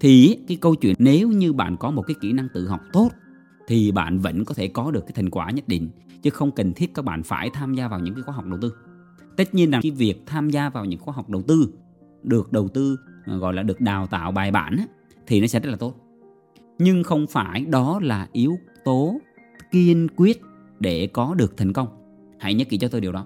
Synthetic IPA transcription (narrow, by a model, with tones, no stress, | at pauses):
t̪ʰi˨˩˦kaː˨˦jkə˧wt͡ɕwḭ˧˨ə˨nne˨˦wɲɨ˧ɓa̰ː˧˨nkɔ˨˦mo˨˩t̚kaː˨˦jkḭ˧˩na˧ŋt̪ɨ̰˧˨ɦɔ˨˩wk͡p̚t̪o˦˥t̚ | t̪ʰi˨˩ɓa̰ː˧˨nvə̰˧˥nkɔ˨˦t̪ʰe˧˩kɔ˨˦ɗɨ˨˩kaː˨˦jt̪ʰŋkwaː˧˩ɲə˦˥t̚ɗḭ̈˧˨ŋ̟ | t͡ɕɨ˨˦xə˧wŋ͡mki˨˩ŋ̟t̪ʰi˦˥ət̚kaː˦k̚ɓa̰ː˧˨nfa̰ː˧˩jt̪ʰaː˧mzaː˧vaː˨˩wɲɨ̰˧˥ŋkaː˨˦jxaː˧˦ɦk͡p̚ɗə˨˩wt̪ɨ˧ | t̪ə˦˥t̚ɲi˧ənzaː˨˩˨jvi˨˩ək̚t̪ʰaː˧mzaː˧vaː˨˩wɲɨ̰˧˥ŋxwaː˧˦ɦa˨˩wk͡p̚ɗə˨˩wt̪ɨ˧ | ɗɨ˨˩ək̚ɗə˨˩wt̪ɨ˧ɣɔ̰˧˨jlaː˨˩ɗɨ˨˩ək̚ɗaː˨˩wt̪a̰ː˧˨wɓaː˨˩jɓa̰ː˧˨nʔaː˨˦ | t̪ʰi˨˩nɔ˨˦sɛ̰˧˥zə˦˥t̚laː˨˩t̪o˦˥t̚ | ɲɨ˧ŋxə˧wŋ͡mfaː˧˩jɗɔ˨˦laː˨˩ʔi˨˦əw | t̪o˨˦ | ki˧ənkwi˦˥ət̚ | ɗe˧˩kɔ˨˦ɗɨ˨˩ək̚t̪ʰŋ̟kə˧wŋ͡m | ha̰ː˧˥jɲə˦˥t̚ki˧˩t͡ɕɔ˧t̪o˧jɗi˨˩əɗɔ˨˦